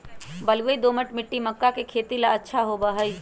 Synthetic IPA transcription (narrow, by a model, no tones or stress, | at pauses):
bəlɡəid̪oːməʈmɪʈːiməkːakekʰeːt̪ilaətːʃʰaɦobəɦəj